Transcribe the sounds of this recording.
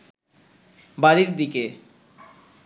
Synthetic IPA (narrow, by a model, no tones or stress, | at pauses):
baɾiɾd̪ike